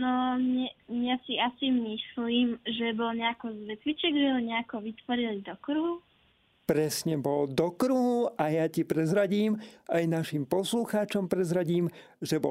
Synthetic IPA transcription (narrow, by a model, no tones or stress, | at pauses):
nɔɲɲɛasiasimisliːmʒɛbɔlɲɛakɔzʋɛtʋit͡ʃɛɡʒɛɦɔɲɛakɔʋit̪ʋɔɾilid̪ɔkɾuɦu | pɾɛsɲɛbɔld̪ɔkɾuɦuʔajacipɾɛzɾaɟiːmajnaʃimpɔsluxaːt͡ʃɔmpɾɛzɾaɟiːm | ʒɛbɔ